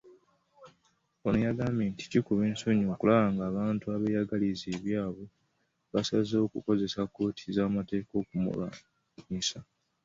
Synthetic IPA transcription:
onujaɡameːnti̥cikuβe̞ːnso̞ɲo̞ːkulaβaːŋɡaːβaːntuaβejaɡalizeːβjaːβo | βasazo̞ːkuko̞ze̞sako̞ːtʰi̥zaːmate̞ːko̞ːkumṵla̰ | ɲisa

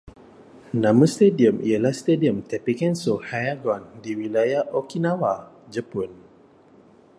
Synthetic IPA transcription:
nãməst̪ediəmḭalast̪ediəmt̪ɛpikɛnsohajaɡɔndiwilajaʔokinãwa | d͡ʒəpun

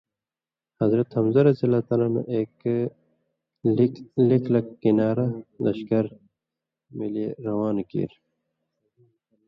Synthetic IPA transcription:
hɐzɾɐt̪hɐmzɐɾɐsilaːt̪ɐlanṵʔeːk | likʰlɐkːinaːɾɐlɐ̰ɕkɐɾ | mileɾɐwaːnkḭːɾ

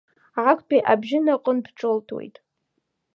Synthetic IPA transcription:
ʕakʷʰʼpʰʼiʔabʒɪnaqʷʼənbʰʈ͡ʂʼoltʰwḛjtʼ

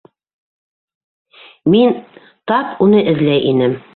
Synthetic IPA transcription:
min | t̪ɑpunɤʔɘ̆ðlæjʔinɘm

